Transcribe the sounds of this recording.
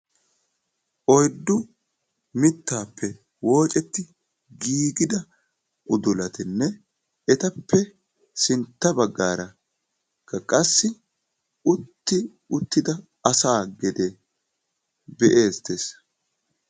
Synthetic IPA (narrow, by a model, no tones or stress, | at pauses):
ʔɔjd̪ːʊ | mɪt̪ːaːpːɛ | wo̞ːt͡ʃʼɛt̪ːɪ | ɡiːɡɪd̪ɐ | ʔʊd̪ʊlɐt̪ɪnːɛ | ɛt̪ɐpʰːɛ | sɪnt̪ːɐbɐɡːaːɾɐ | kːɐkʼɐsːɪ | ʊt̪ːɪ | ʊt̪ːɪd̪ɐ | ɐsaːɡɛd̪e | bɛʔeːst̪ːeːs